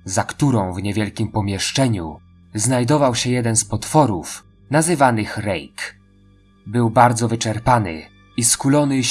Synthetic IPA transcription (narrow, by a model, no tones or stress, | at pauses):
zakt̪uɾɔ̃w̃vɲɛvʲjɛlkʲimpɔmʲjɛʂt͡ʂɛɲu | znajd̪ɔvawɕɛjɛd̪ɛnspɔt̪fɔɾuf | nazɘvanɘxɾɛ̰jk | bɘwbaɾd̪zɔvɘt͡ʂɛɾpanɘ̰ | iskulɔnɘ